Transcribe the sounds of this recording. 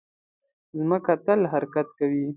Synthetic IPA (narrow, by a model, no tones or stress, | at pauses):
zməkat̪əlɦaɾkat̪kawi